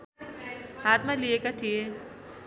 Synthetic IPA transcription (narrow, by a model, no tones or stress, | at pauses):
haːt̪mãliekat̪ʰie